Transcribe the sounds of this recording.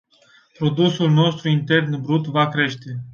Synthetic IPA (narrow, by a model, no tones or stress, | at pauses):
pɾo̞d̪usulno̞st̪ɾuint̪e̞rnbɾut̪vakɾe̞ʃt̪e̞